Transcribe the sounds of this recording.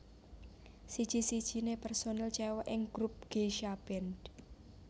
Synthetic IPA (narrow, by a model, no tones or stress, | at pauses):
sid̥ʒ̥i̤sid̥ʒ̥i̤nepɛrsonalt͡ʃɛwɔʔɪŋɡ̥ɾup̚ɡ̥eʃab̥ɛnd